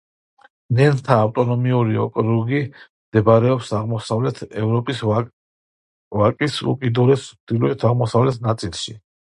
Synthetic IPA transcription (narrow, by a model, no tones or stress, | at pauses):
nɛnt̪ʰaːwt̪ʼɔnɔmiuɾiɔ̰kʼɾuɡimd̪̥ɛbaɾɛɔpsaʁmɔsavlɛt̪ʰɛvɾɔpʼis | vakʼisṵkʼid̪uɾɛsd̪ilɔɛt̪ʰaʁmɔsavlɛt̪ʰnat̪sʼilˠʃi